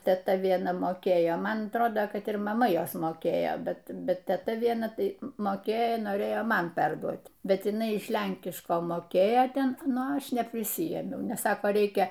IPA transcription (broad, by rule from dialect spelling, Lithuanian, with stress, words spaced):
tʲɛˈtɐ ʋʲiɛˈnɐ moːˈkʲeːjoː ˈmɐn ɐtˈroːdoː kɐt ɪr mɐˈmɐ ˈjoːs moːˈkʲeːjoː ˈbʲɛt ˈbʲɛt tʲɛˈtɐ ʋʲiɛˈnɐ ˈtɐɪ moːˈkʲeːjoː noːˈrʲeːjoː ˈmɐn ˈpʲɛrduɔt ˈbʲɛt jɪˈnɐɪ ɪʃ ˈlʲɛŋʲkʲɪʃkoː moːˈkʲeːjoː ˈtʲɛn ˈnʊ ˈɐʃ nʲɛpʲrʲɪsʲɪˈjeːmʲɛʊ nʲɛs ˈsɑːkɐ ˈrʲɛɪkʲɛ